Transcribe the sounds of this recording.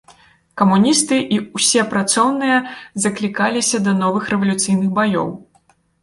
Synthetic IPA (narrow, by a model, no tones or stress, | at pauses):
kɐmunʲist̪ɨʔiwsʲɛpɾat̪sɔwnɨjɐzɐklʲikalʲisʲɐd̪ɐnɔvɨxɾɛvɐlʲut̪sɨjnɨɣbajɔ̰w